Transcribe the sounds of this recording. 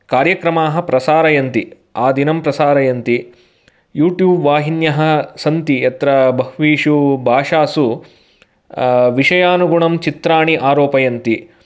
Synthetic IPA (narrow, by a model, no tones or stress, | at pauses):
kaːɾjɐkɾɐmaːɦɐ̆pɾɐsaːɾɐjɐnt̪i | aːd̪inɐmpɾɐsaːɾɐjɐnt̪i | juːʈjuːbʋaːɦinjɐɦɐ̆sɐnt̪ijɐt̪ɾɐbʱɐɦʋiːʂubʱaːʂaːsu | ʋiʂɐjaːnuɡuɳɐmt͡ʃit̪ɾaːɳiʔaːɾoːpɐjɐnt̪i